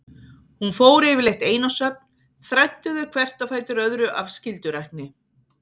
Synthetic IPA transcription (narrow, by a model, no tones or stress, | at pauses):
hunfoːwɾɪvɪlejht̪eːjnasœp̚n | θɾajt̪ːʏðʏkʰvɛr̥t̪afaːjt̪ɪɾœðɾʏʔafscɪlt̪ʏɾajhk̚nɪ